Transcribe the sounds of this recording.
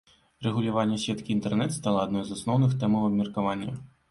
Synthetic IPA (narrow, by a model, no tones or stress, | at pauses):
rɛɣulʲavanʲːɐsʲɛt̪kʲiːnt̪ɛrnɛt̪st̪alˠɐːd̪nɔjzasnɔwnɨxt̪ɛmɐwɐbmʲɐrkavanʲːɐ̰